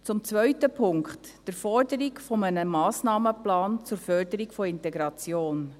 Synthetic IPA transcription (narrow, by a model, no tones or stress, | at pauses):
t͡sʊmt͡sʋœʏtəpʰʊŋkχtd̥əɾfɔrdəɾikfɔmənəmɑːsnɑːməplɑːnt͡sʊɾfœrdəɾikfɔɪntɛɡɾɑt͡sjoːn